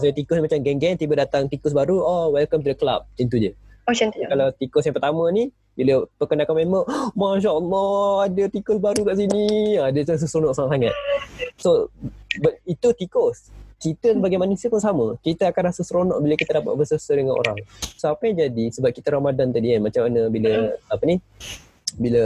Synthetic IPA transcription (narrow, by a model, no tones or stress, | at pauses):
saət̪ikʊsnimat͡ʃamɡɛŋɡɛnt̪ibədat̪aŋt̪ikʊs̬baɾuɔwɛlkamt̪udəkəla̰p̚int̪ud͡ʒəonkalawt̪ikʊs̬jaŋpərt̪amə̃ni | biləpəkənakanmeməmaʃ̬aalɔadət̪ikʊsbaɾukaʔsiniadəas̬əsɾonɔʔsaŋat̪saŋa̰t̪̚sobit̪ut̪ikɔskit̪əsəbaɡajmanusiəpunsaməkit̪əakanrasəsɾonɔ̰ʔ̚biləkit̪ədapa̰t̪̚bəsəsədəŋanʔo̰ɾa̰ŋsoapəɲãd͡ʒadisəbap̚kit̪əɾamadant̪adianmat͡ʃamanəbiləapəni | bilə